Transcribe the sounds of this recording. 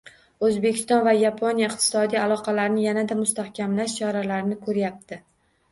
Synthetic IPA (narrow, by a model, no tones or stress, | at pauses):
ɵzbekʲʰɪst̪ɒnvajapʰonjaɪqt̪ʰɪ̥sɒd̪ijalˠɒqʰɑlaɾnɪjanad̪amʊst̪ahkʲʰamlaʃt͡ʃʰɒɾalaɾnɪkʰɵɾjap̚t̪ʰɪ